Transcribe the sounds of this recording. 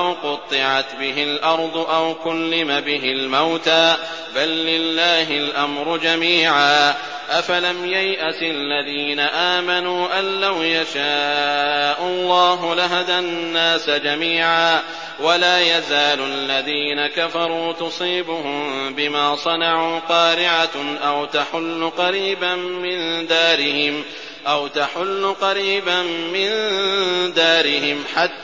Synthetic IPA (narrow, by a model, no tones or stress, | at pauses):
wqʊt̪ˤːɨʕat̪bɪɦɪlʔɑɾˤd̪ˤʊʔawkʊlːɪmabɪɦɪlmawt̪aː | balːɪlːaːɦɪlʔamɾʊd͡ʒamiːʕaː | ʔafalamjajʔasɪlːaðiːnaʔaːmanuːʔanːawjaʃaː | ʔalˤːɑːɦʊlaɦad̪anːaːsd͡ʒamiːʕaː | walaːjazaːlʔalːaðiːnakafɑɾˤuːt̪ʊsˤiːbʊɦʊmbɪmaːsˤɑnɑʕuːqɑːɾɪʕaʔawt̪aħʊlːʊqɑɾiːbammɪnd̪aːɾɪhɪm | ʔawt̪aħʊlːʊqɑɾiːbamːɪn | d̪aːɾɪhɪmħat̪ː